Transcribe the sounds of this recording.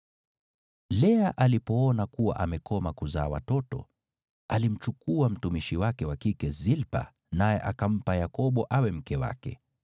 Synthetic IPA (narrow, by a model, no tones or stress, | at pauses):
lɛaʔalipɔɔnakuwa̰ʔamɛkɔmakuzaːwa̰tɔtɔ̰ | alim̩t͡ʃukuam̩tumiʃiwakɛwakikɛzilpa̰ | najɛʔakam̩pajakɔɓɔʔawɛm̩kɛwa̰kɛ̰